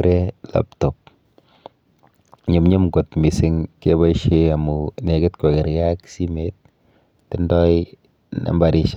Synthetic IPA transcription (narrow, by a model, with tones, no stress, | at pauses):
ɾe˦la̰˨˦p̚tɔ˨p̚ | ɲi˨mɲe˦mɡo˨tmi˨sɪ˦ŋke˦ba˦ʃe˦a˨mu˨ne˨ɡɪ˦tke˨ɡe˨ɾja˦ksi˦me˦t̚ː | ɪ˦ndɔ˦j | na̰˨mbaɾi˨ʃ